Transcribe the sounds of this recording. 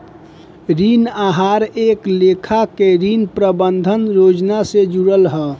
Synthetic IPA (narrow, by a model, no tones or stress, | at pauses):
ɾinaɦaɾeklekʰakeɾinpɾəbənd̪ʱənɾod͡ʒnased͡ʒuɾəlɦə